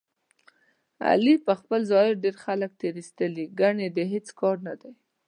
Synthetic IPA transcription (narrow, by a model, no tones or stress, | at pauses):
a̰lipəxpəlzɑɪɾɖeɾxalək̚t̪eɾist̪əliɡaɳed̪əɦet͡skɑɾnad̪aj